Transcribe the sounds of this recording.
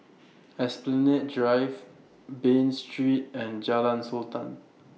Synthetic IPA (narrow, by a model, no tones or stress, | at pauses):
ɛsplɛnet̚dɹajv | bẽnstɹit̚ɛ̃nd͡ʒalãnsɔltãn